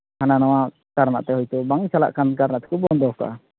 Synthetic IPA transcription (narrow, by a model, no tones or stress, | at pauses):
hananawa | kaɾna̰ʔt̪ɛhɔjt̪ɔbaŋt͡ʃala̰ʔkankaɾnaʔt̪ɛ̥kʰubɔnd̪ɔka̰